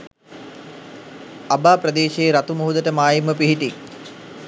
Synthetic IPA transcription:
abaːpɾəd̪eːʃeːɾat̪umoɦud̪əʈəmaːjimːəpiɦiʈi

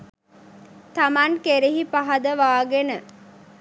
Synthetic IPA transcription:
t̪amankeɾiɦipaɦɐd̪əʋaːɡenə

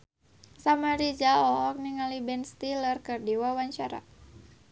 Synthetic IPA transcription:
samaɾid͡ʒaɔɔk̚niŋalibɛnst̪ilərkɨrdiwawaɲt͡ʃaɾa̰

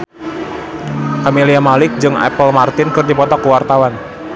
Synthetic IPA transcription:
kameliamalɪk̚d͡ʒɨŋɛ̰pəlmart̪ɪnkɨrdipɔt̪ɔkuwart̪awan

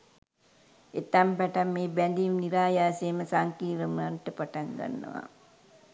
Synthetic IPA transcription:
et̪ːampɛʈamːeːbænd̪imniɾaːjaːseːməsaŋkiːɾəmanʈəpaʈaŋɡa̰nːə̰ʋa̰

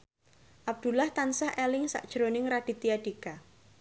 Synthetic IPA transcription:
ʔab̚d̪̥ulaht̪ansahɛlɪŋsa̰ʔd̥ʒ̥ɾonɪŋɾaɖ̥i̤t̪iaɖ̥ika

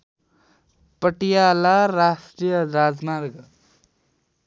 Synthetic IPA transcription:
pəʈijalaɾasʈɾijʌɾad͡zmaɾɡ

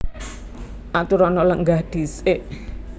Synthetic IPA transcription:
ʔat̪uɾɔnɔləŋɡahd̪̥i̤seʔ

